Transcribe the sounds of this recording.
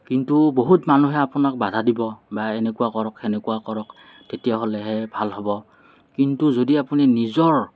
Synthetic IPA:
kintuboɦutmanuɦɛapʊnak̚badʱadibɔbaenɛkuwakɔɹɔkɛnɛkuwakɔɹɔk | tetijaɦɔlɛɦɛbʱalɦɔbɔ | kintuzodiapuninizɔɹ

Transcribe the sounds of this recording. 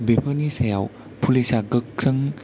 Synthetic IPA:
bepʰənisaja̰w | pʰulisaɡɯkːʰɾɯŋ

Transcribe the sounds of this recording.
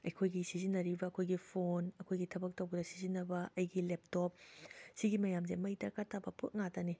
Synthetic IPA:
ɐjkʰojɡisizinːɐɾibɐːkʰojɡipʰonɐkʰojɡitʰɐbɐk̚tɐwɡɐdɐsizinːɐbɐʔɐjɡilep̚top̚siɡimɐjamzemɐjdɐkatʰabɐpʰuʔ̚ŋatɐni

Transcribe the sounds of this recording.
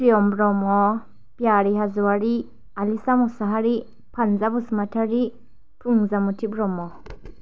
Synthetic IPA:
pijɔmbɾɔmɔ | pjaɾiɦazɔwaɾi | alisamɔsaɦaɾi | pʰanzabusmatʰaɾi | pʰuŋzamutʰibɾɔmɔ

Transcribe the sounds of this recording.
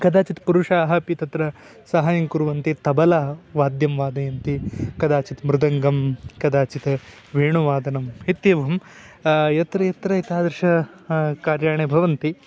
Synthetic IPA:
kɐd̪aːt͡ʃit̪puɾuʂaːɦɐpit̪ɐt̪ɾɐ | sɐɦajɐŋkuɾʋɐnt̪it̪ɐbɐlaːʋaːd̪jɐmʋaːd̪ɐjɐnt̪ikɐd̪aːt͡ʃit̪mɾɪd̪ɐŋɡɐmkɐd̪aːt͡ʃit̪ | ʋeːɳuʋaːd̪ɐnɐmɦet̪jɐʋɐm | jɐt̪ɾɐjɐt̪ɾɐit̪aːd̪ɐɾʃɐ | kaːɾjaːɳebʱɐʋɐnt̪i

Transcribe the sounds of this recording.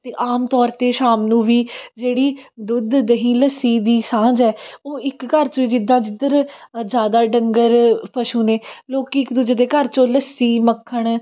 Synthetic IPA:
t̪eːʔaːmt̪ɔːɾt̪eːʃaːmnũːʋiːd͡ʒeːɽiːd̪ʊd̪ːəɦĩːləsiːd̪iːsãːd͡ʒɛːoːɪkːəɾt͡ʃõiːd͡ʒɪd̪ãːd͡ʒɪd̪əɾd͡ʒjaːd̪aːɖəŋɡəɾpəʃuːneːloːkiɪkd̪ʊd͡ʒeːd̪eːkəɾt͡ʃõːləsːiːməkʰːəɳ

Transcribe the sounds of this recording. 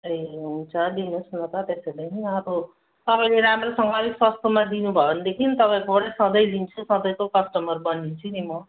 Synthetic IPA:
eɦũnt͡sʰʌd̪inusnʌt̪ʌt̪esedʌjʌɾo | t̪ʌpaĩleɾamɾesʌŋɡʌːɾiswast̪omad̪inubʱʌʌnd̪ekʰint̪ʌpãĩkobʌɽʌjsʌ̃d̪ʌjlint͡sʰusʌ̃d̪ʌjkokʌsʈʌmʌrbʌnint͡sʰunimʌ

